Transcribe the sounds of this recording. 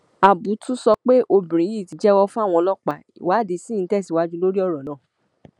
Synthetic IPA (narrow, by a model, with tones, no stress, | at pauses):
a˨bu˨˦tũ˦sɔ˧k͡pe˦ʔo˧bĩ˨ɾ̃ĩ˨˦i˦˨ti˨˧d͡ʒɛ˦wɔ˧fũ˦a˦˨w̃ɔ̃˧lɔ˦k͡pa˨ḭ˨wa˨˦˨de˧sĩ˦˨˧tɛ˦˨s̬i˨wa˦d͡ʒũ˦lo˦ɾi˦ɔ˦˨ɾɔ˨nãː˦˨